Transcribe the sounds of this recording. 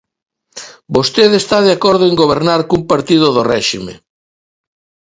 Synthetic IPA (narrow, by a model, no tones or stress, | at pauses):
bost̪eðest̪aðeakoɾðoeŋɡoβ̞eɾnaɾkumpaɾt̪iðoðorɛʃimḛ